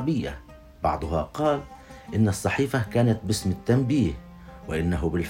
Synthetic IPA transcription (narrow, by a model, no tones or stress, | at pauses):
bɪjːa̰ | bɑʕd̪ˤʊɦɑ̰qɑːlʔɪnːɑsˤːɑħiːfakaːnat̪̚bɪsmɪt̪ːambiːh | wɪʔɪnːaɦʊbɪl